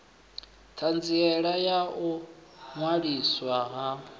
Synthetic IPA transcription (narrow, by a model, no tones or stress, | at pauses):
tʰand͡ziɛɺajaumwaɺiswaɦa